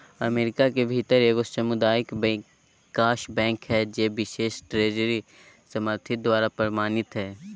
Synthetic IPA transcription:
ɐmeːɾɪkakebʱit̪əɾeːkosɐmʊd̪aːɪkbɛ̃ | kaːʃbɛ̃ːŋkɦɛd͡ʒeːbɪʃeːʃʈɾeːd͡ʒɾi | sɐməɾt̪ʰɪd̪waːɾapɾɐɾmaːnɪt̪ɦɛː

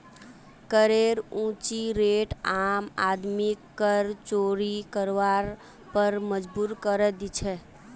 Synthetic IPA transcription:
kəɾeɾũt͡ʃiɾeʈamad̪mikːəɾt͡ʃoːɾikəɾʋaɾ | pəɾməd͡ʒbuːɾkəɾəd̪it͡ʃʰɛ

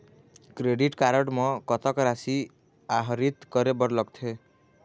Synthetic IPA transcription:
kɾeɖiʈkaɾɔɖmɔ̃kɔt̪ɔkɾasi | aɦɔɾit̪kɔɾebɔɾlɔk̚t̪ʰe

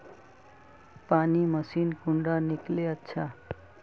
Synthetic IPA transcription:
panimʌsinkuɳɖanikleətːsʰa

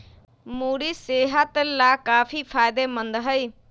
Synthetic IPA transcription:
muːɾiːseːɦat̪laːkaːpʰiːpʰaːɪd̪eːmənd̪ɦəiː

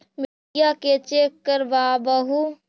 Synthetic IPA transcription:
mɪ | jaket͡ʃeːkːəɾʋaːbəɦu

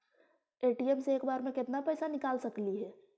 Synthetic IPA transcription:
eːʈiemseːkbaːɾmẽkɪt̪napɛːsanɪkaːlsɐkliɦɛː

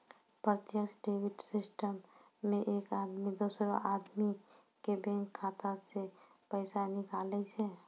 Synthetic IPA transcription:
pɾət̪jəksɖeːwɪʈsɪsʈəmː | ẽʔeːkaːd̪mid̪oːsɾoʔaːd̪mi | kebɛ̃ŋkʰːaːt̪ase | pəɪsanɪkaːlɛit͡ʃʰɛ

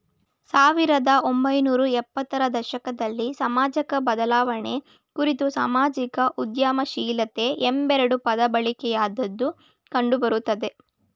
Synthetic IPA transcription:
saːʋiɾɐd̪ɐo̞mbɐjnuːɾuɛpːɐt̪ːɐɾɐd̪ɐʃɐkɐd̪ɐlːisɐmaːd͡ʒɐkɐbɐd̪ɐlaːʋɐɳe̞ | kuɾit̪usa̰ːmaːd͡ʒikɐʔud̪jaːmɐʃiːlɐt̪e̞ʔembɛɾɐɽupɐd̪ɐbɐɭikɛjaːd̪ɐd̪ːu | kɐɳɖubɐɾut̪ːɐd̪e̞

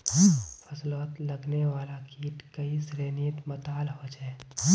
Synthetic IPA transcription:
fʰɐslɔːt̪lɐɡneʋaːlakiːʈkəisɾeːniːt̪mɐt̪aːlɦoːd͡ʒɛː

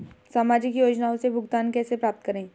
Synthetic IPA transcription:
saːmaːd͡ʒɪkjoːd͡ʒnaːõsebʱʊɡt̪aːnkɛːsepɾaːp̚t̪kɐɾẽː

